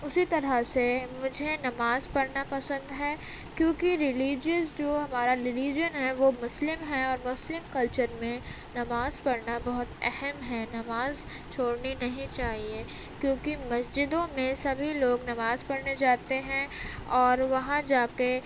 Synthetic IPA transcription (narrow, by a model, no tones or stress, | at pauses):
ʊsit̪ɐɾəsemʊd͡ʒʱenɐmaːzpɐɽnapɐsə̃nd̪ɦɛː | kjõːkiɾɪliːd͡ʒɪzd͡ʒoːɦɐmaːɾaɾɪliːd͡ʒənɦɛʋomʊslɪmɦɛɔːɾmʊslɪmkɐlt͡ʃəɾmẽ | nɐmaːzpɐɽnabɐɦʊt̪ɛhɛmɦɛnɐmaːz | t͡ʃʰoːɽninɐɦĩt͡ʃaːɦie | kjõːkimɐsd͡ʒɪd̪õmẽsɐbʱiloːɡnɐmaːzpɐɽned͡ʒaːt̪eɦɛ̃ɔːɾʋɐɦãd͡ʒaːke